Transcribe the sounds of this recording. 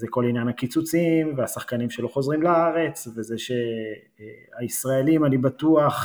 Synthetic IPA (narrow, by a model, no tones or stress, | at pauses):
zeko̞linjanakit͡sut͡simveasaχkanimʃe̞loχo̞zʁimlaaʁe̞t͡sve̞zeʃe | aisʁae̞limanibat̪uaχ